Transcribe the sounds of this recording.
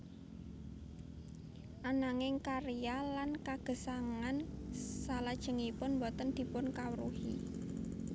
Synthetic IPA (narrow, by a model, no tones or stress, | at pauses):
ʔanaŋɪŋkaɾijalankaɡ̥ə̤saŋansalad̥ʒ̥ə̤ŋipʊnmbɔt̪ənd̪̥i̤pʊnkawəɾuhḭ